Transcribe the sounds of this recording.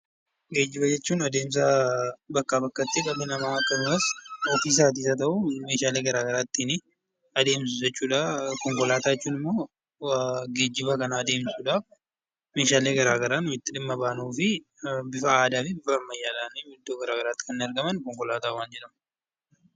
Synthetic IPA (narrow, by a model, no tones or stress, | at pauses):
ɡe̞ːd͡ʒːɪbɐd͡ʒɛt͡ʃːuːnɐd̪e̞ːms̬ɐbɐkːabɐkːɐt̪ːɪkʼɐbɛnɐmaːɐkːɐdʊmɐsɔfiːs̬aːt̪̬iːsɐt̪̬ɐʔume̞ːʃaːleːɡɐɾaːɡɐɾaːt̪ːiːnɪ | ɐd̪e̞ːmsʊd͡ʒɛt͡ʃːuːᶑaːkɔŋkɔlaːt̪aːɛt͡ʃːuːnɪmːo̞ː | ɡe̞ːd͡ʒːɪbɐkɐnɐːd̪e̞ːmsuːᶑaːf | me̞ːʃaːleːɡɐɾaːɡɐɾaːnʊmɪt̪ːɪᶑɪmːɐbaːnuːfɪ | bɪfɐaːd̪aːfɪbɪfɐmɐjːaːlaːnɪd̪ːoːɡɐɾaːɡɐɾaːt̪ːɪkɐnːɪɐɾɡɐmɐnkɔŋkɔlaːt̪aːwaːnd͡ʒɛᶑɐmɐ